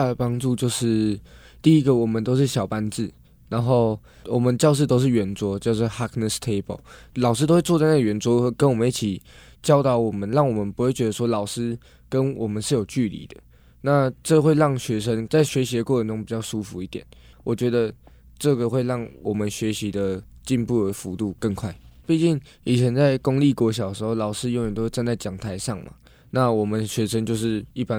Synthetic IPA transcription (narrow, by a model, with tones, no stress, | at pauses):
a˥˩d̪ə˩pɑ˥ŋʈ͡ʂu˥˧t͡ɕjo˥˧ʊʂɻ̩˥˩ | t̪i˥˩i˦˥ɡə˨wɔ˨˩mə˨nt̪o˥ʊʂ̬ɻ̩˥˩ɕjɑ˨ʊpa˦nt͡sɹ̩˥˩ | na˧˦nxo˥˧ʊ | wɔ˨˩mə˨˦nt͡ɕjɑ˥˧ʊʂ̬̩˥˩t̪o˥ʊʂ̬̩˥˩ɥɛ˧˥nt͡swɔ˥t͡ɕjɑ˥˧ʊsɔ˥˩ha˥kʰnə˨˩st̪ʰe˥ɪbo̰˨˩ʊlɑ˨˩ʊʂ̬ɻ̩˥t̪o˥we˥˧wt͡sa˥˧na˥˩ɡə˨ɥɛ˧˥nt͡swɔ˥˩kə˦nwɔ˨˩mə˨ni˥˩t͡ɕʰi˨˩ | t͡ɕjɑ˥ʊt̪ɑ˨˩ʊwɔ˨˩mə˦nɻɑ˥˩ŋwɔ˨˩mə˨˦npu˧˥xwe˥˩ɪt͡ɕɥɛ˧˦d̪ə˧ʂwɔ˥lɑ˨˩ʊʂɻɹ̩˥ | kə˦nwɔ˨˩mə˨˦nʂɻ̩˥˩jo˨˩ʊt͡ɕy˥˩lḭ˧˦d̪ə̥˨ | na˥˨ʈ͡ʂɤ˥˧xwe˥˧ɪɻɑ˥˩ŋɕɥɛ˧˥ʂə˦˥ŋt͡sa˥˩ɪɕɥɛ˧˥ɕi˧˥d̪ə˧kwɔ˥˩˧nʈ͡ʂo˥ŋpi˨˩t͡ɕjɑ˥˩ʊʂu˦fu˧˦i˥˩t̪jɛ̰˨˩˦n | wʔɔ˨˩t͡ɕɥɛ˧˥d̪ə˧ | ʈ͡ʂɤ˥˩ɡə˨xwe˥˧ɪlɑ˥˩ŋwʔɔ˨˩mə˦nɕɥɛ˧˥ɕi˧˥d̪ə˨t͡ɕi˥˧npu˥˩ə˧˦fu˧˥˦t̪u˥˧kə˥˧ŋkʰwa˥˩ɪpi˥˧t͡ɕi˥˩ŋ | i˨˩t͡ɕʰə˧˦nt͡sa˥˩ɪko˦˥ŋli˥˩kwɔ˧˥ɕjɑ˨˩əʂɻ̩˧xo˥˩lɑ˨˩ʊʂɹ̩˥jo˧˥jɛ˨˩nt̪o˥wt͡sa˥˧nt͡sa˥˩ɪt͡ɕjɑ˨˩ŋt̪ʰa˧˥ɪʂɑ˥˩ŋmʔa̰˨ | na˥˨wɔ˨˩mə˦nɕɥɛ˧˥ʂə˥ŋt͡ɕjo˥˧ʊʂɻ̩˥˧i˥˩pa˦